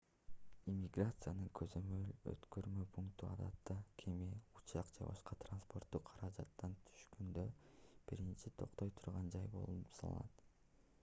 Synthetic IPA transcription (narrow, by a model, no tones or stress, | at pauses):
imʲːiɡrat̪sɨjanɯŋkʰøzø̞mø̞lø̰t̪køɾmøpʰuŋkt̪uɑd̪ɑt̪ːɑkʰemiut͡ʃɑqd͡ʒḛbɑ̰ʃqɑt̪ranspo̞rt̪ːuqʰːɑɾɑd͡ʒɑ̰t̪ːɑnt̪ʰy̥ʃkønd̪øb̥iɾint͡ʃit̪ʰo̞̰qt̪o̞jt̪ʰuɾʁɑnd͡ʒɑjbo̞̰lˠunupsɑ̰lˠɑ̰nɑt̪